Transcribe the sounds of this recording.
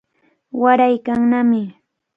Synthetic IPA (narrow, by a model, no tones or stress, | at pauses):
waɾajkaŋnamɪ